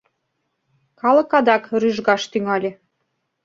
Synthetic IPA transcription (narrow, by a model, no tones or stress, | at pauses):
kɑlɤ̆kɑd̪ɑkryʒɣɑʃt̪yŋɑlʲĕ